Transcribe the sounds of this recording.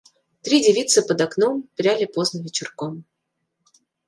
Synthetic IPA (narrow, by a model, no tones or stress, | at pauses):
t̪ɾʲidʲɪvʲit̪sɨpəd̪ɐknompɾʲalʲɪpoznəvʲɪt͡ɕɪrkom